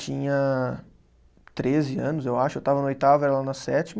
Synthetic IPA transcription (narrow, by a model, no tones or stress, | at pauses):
t͡ʃĩɲɐ | t̪ɾezɪɐ̃nʊzewaʃʊewt̪avɐnɐojt̪avɐɛɾɐlanɐsɛt͡ʃim